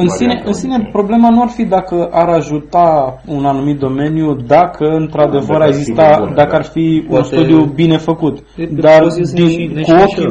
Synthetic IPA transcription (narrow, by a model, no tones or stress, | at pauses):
ɨnsine̞ʔɨnsine̞pɾo̞ble̞manuarfid̪akəʔaɾaʒut̪aunanumit̪̚d̪o̞me̞njud̪akʰəɨnt̪ɾad̪e̞vəɾaeɡzist̪ad̪akəarfiunst̪ud̪ijubine̞fəkut̪ | d̪ard̪inkuokʲ